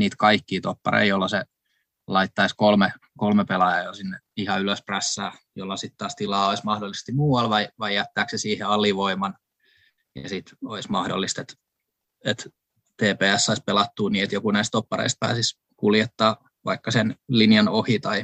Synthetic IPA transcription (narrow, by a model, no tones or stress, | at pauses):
niːt̪kɑikːiːt̪opːɑ̰ɾḛijolːɑse | lɑit̪ːɑiskolme | kolmepelɑjɑjosinːeihɑyløspræsːæ̰ːjolːɑsit̪t̪ɑːst̪ilɑːoismɑhdolːˑise̥st̪imuːwɑlʋɑiʋɑijæt̪ːæːksesiːheɑlːiʋoimɑn | jɑ̰sit̪oismɑhdo̰lːist̪et̪ | et̪ | t̪eːpeːæsːɑispelɑt̪ːuːniːet̪jokunæist̪t̪opːɑrḛist̪̚pæ̰ːsis | kuljet̪ːɑː | ʋɑ̰ikːɑsenlinjɑnohit̪ɑi